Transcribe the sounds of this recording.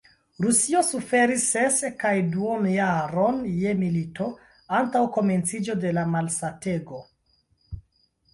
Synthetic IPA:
ɾusio̞sufe̞ɾisːe̞skajduonjaɾo̞nje̞milito̞ | antawko̞me̞nt͡sid͡ʒo̞de̞lamalsate̞ɡo̞

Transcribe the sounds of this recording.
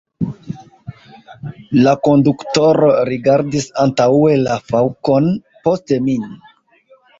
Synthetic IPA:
lako̞ndukto̞ɾo̞ɾiɡaɾdisantae̞lafawko̞n | po̞stemin

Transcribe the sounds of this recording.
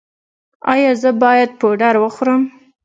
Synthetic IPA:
ɑjɑzəbɑjad̪̚poɖaɾwəxɾəm

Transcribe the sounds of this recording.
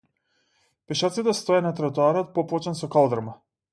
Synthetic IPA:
pɛʃaɾt̪sit̪ɛst̪ɔjanat̪ɾat̪uaɾɔt̪̚pɔpˠɔt͡ʃɛnsɔkalˠd̪ɾama

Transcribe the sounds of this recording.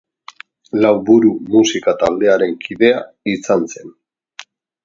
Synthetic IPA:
lawβuɾumusikat̪ald̪e̞aɾe̞ŋkʰiðe̞a | isanse̞n

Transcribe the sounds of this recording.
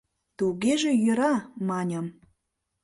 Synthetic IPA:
t̪uɣeʒejø̆ɾɑmɑnʲə̆m

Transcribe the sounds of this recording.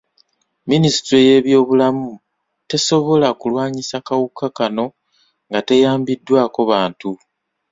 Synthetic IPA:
minisi̥tɾe̞je̞ːβjo̞ːβulamu | te̞so̞βo̞lakulwaːɲisakawukakano̞ | ŋɡate̞jaːmbidːwaːko̞βaːntu

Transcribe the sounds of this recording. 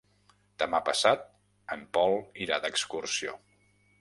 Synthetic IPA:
d̪̥əmapəsat̪̚ | əmpɔlˠiɾad̪əkskursio̰

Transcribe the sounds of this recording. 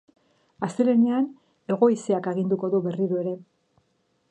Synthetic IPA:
ast̪elenean | e̞ɣ̞o̞iseakaɣ̞ind̪uko̞ðuβe̞riɾue̞ɾe̞

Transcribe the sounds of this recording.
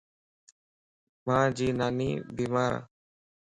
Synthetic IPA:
mãːd͡ʒiːnaːniːbiːmaːɾa̰

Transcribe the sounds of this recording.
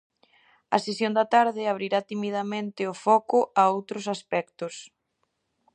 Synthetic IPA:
ɐ̰sesjond̪ɐt̪aɾðɪaβɾiɾat̪imiðɐmẽnt̪ɪʊfɔkʊʔaowt̪ɾʊs̬aspɛkt̪ʊs

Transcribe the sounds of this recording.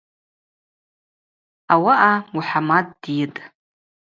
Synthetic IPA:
awaʔauħamadːjɪtʼ

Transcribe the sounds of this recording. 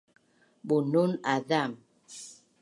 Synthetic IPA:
bununadam

